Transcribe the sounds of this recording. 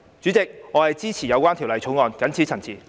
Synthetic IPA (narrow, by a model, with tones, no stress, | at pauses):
t͡syː˨˥t͡sɪ˨k̚ŋɔː˨˧hɐ˨jt͡siː˥t͡sʰiː˨˩jɐ˨˧wkʷaː˥nt̪ʰi˨˩wlɐ˨˧jt͡ʃʰo˨˥wŋɔː˨˧nkɐ˨˥nt͡sʰiː˨˥t͡sʰɐ˨˩nt͡sʰiː˨˩